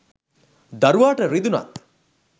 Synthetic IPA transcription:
d̪ɐɾuʋaːʈɐɾid̪una̰t̪

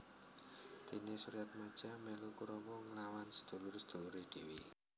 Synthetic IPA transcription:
d̪̥e̤nesuɾijat̪̚mad̥ʒ̥amɛlukuɾɔbɔŋəlawansə̥d̪̥o̤lʊrsə̥d̪̥o̤luɾed̪̥e̤wi

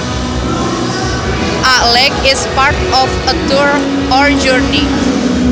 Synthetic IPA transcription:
ʔalɛkɪspaɹtɔfətuɹ | ɔɹd͡ʒuɹni

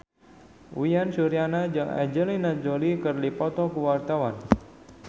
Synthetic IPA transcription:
ujansuɾianad͡ʒəŋa̰d͡ʒəlinad͡ʒolikərlipɔt̪ɔkuwart̪awan

